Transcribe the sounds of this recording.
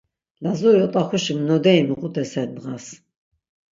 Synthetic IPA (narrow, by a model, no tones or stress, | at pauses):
lazuɾiɔt̪ʼaχuʃimnɔd̪ɛimiqʼut̪ʼɛsɛɾd̪ʁas